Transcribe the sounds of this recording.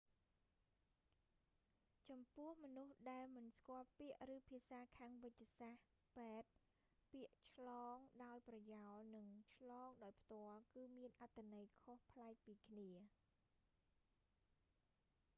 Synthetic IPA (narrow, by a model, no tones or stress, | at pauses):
t͡ɕɑmpʊ̆əhmɔnuhɗaɛlmɨnskŏəlpiəʔrɨːpʰiəsaːkʰaːŋʋɨc̚ːsah | peɛt̪̚ | piəʔt͡ɕʰlɑːŋɗaɔjprɑjaɔlnɨŋt͡ɕʰlɑːŋɗaɔjpʰt̪ŏəlkɨːmiənʔat̪ʰːanəjkʰohpʰlaɛk̚piːkʰniə